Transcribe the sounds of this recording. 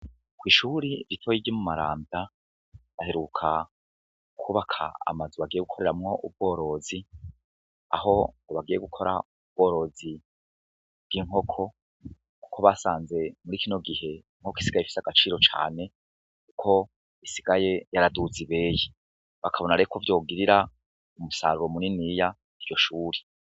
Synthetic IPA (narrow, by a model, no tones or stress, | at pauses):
kwiːʃuɾiɾitʰojiɡɟimumaɾa̰ːmba | βahe̞ɾukʰa | kʰuβakʰa̰ːmazuβaɡije̞ɡukʰo̞ɾe̞ɾamŋo̞ʔub̚ɡo̞ːɾo̞zi | a̰ɦo̞ɡoβaɡijeɡukʰo̞ɾa̰ub̚ɡ̥o̞ːɾo̞zi | b̥̚ɡiŋho̞kʰo̞ | ku̥kʰo̞βasaːnze̞muɾikino̞ɡihe̞ | ŋ̥hoki̥siɡajefisaɡ̥at͡ʃiːɾo̞t͡ʃa̰ːne̞ | kukʰo̞ | isiɡaje̞jaɾaduziβe̞ːje | βakʰaβo̞naɾekʰo̞vjo̞ːɡiɾiɾa | umusa̰ɾuɾo̞muninija | iɾjo̞ʃuːɾi